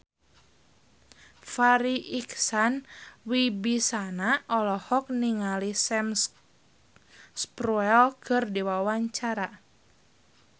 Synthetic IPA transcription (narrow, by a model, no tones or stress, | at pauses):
faɾiʔiksanwibisanaʔɔlɔhɔk̚niŋalisɛm | spɾuɛlkʰɨrdiwawaɲt͡ʃaɾa